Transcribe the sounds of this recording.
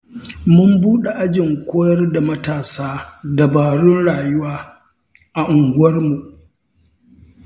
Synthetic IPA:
mʊ˦mbuː˦ɗe˨ʔa˦d͡ʒɪ˨ŋkʷoː˦jɐ˦rda˨mɐ˦taː˨saː˦dɐ˨baː˨ɽʊ˦nɽaː˨jʊ˦waː˦ | ʔa˨ʔʊ˨ŋɡʷʊ˦wɐ˦rmu˨ʔ

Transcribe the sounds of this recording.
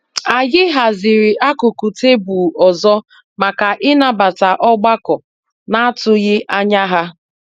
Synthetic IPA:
a˨ɣɪ˦ɦa˨zɪ˨ɾɪ˨ʔa˦kʊ˨ku˨te˦bu˨ɔ˨zɔ˦ | ma˨ka˨ʔɪ˦na˨ba˨ta˨ʔɔ˦ɡ͡ba˦kɔ˨ | na˦a˦tʊ˦ɣɪ˦ʔa˦ɲa˦ɦa˦

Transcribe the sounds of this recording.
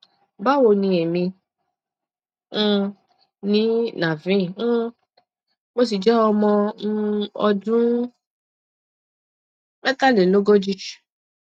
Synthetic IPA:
ba˦wo˧˨nĩ˧e˨mĩ˧˦˧ | nĩ˦na˨vĩ˦˨˦ | mo˧s̬i˨d͡ʒɛ˨˦ɔ˧mɔ̃˧˦ | ɔ˧dũ˦ | mɛ˦ta˦le˨lo˦ɡo˦d͡ʒi˦˨

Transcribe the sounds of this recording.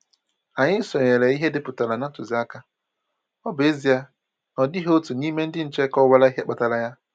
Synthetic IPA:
a˨ɲɪ˦sɔ˨ɲe˨le˨i˦ɦe˦dɪ˦pʊ˨ta˨la˨na˦tʊ˨zɪ˨˦a˦ka˦ | ɔ˦be˦zi˨a˦ | nɔ˨dɪ˦ɦo˦tu˨niː˦me˦n̩˦dɪ˦n̩˨t͡ʃe˦kɔ˦wa˦la˦i˦ɦe˦k͡pa˨ta˨la˦ja˦

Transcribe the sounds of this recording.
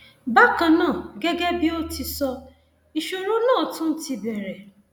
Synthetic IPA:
ba˦kã˨nãː˦˨ɡe˦ɡe˦bi˦o˦ti˧sɔ˧ | i˨ʃu˨ɾu˦nãː˦˨tʊ̃˦n̩˦ti˧bɛ˨ɾe˨

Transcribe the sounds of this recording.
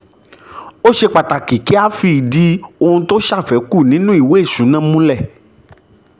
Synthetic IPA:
o˦ʃe˧k͡pa˨ta˨ki˨ki˨˦a˦fi˧˨di˨˧o˧hũ˧to˦ʃa˦˨fɛ˨˦ku˦˨nĩ˨˦nũ˦i˦˨we˨˦e˦˨ʃũ˨˦nã˦˨˦mũ˦lɛ˦˨

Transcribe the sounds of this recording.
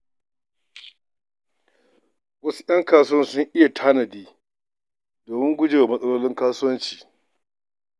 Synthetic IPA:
wɐ˦su̥˦jɐ˦ŋkaː˦˨sʊ˦wɐ˦nsʊ˦ŋʔɪ˦ja˨tʰaː˦nɐ˨diː˦ | doː˨mɪ˦ŋɡʷʊ˦d͡ʒe˨a˨mɐ˦sʼɐ˦loː˦lɪ˦ŋkaː˦sʊ˦wɐ˦nt͡ʃi̥ː˨

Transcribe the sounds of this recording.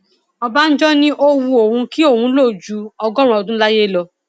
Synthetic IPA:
ɔ˧ba˦n̩˦d͡ʒɔ˦nĩ˦ʔo˧wu˧o˨hũ˧ki˦o˦˨hũ˨˦lo˦˨d͡ʒu˨˦ɔ˧ɡɔ̃˦ɾ̃ɔ̃˦ɔ˧˨dũ˦la˦je˦˨lɔ˧

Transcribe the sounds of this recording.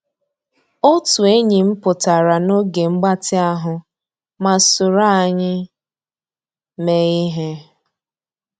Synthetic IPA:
o˦tu˨e˦ɲi˨m̩˦pʊ˨ta˨ɾa˨no˦ɡe˨ŋ͡m̩˦ɡ͡ba˦tɪ˦a˦ɦʊ˨ | ma˨sʊ˨ɾa˦a˨ɲɪ˦ | me˨i˦ɦe˦

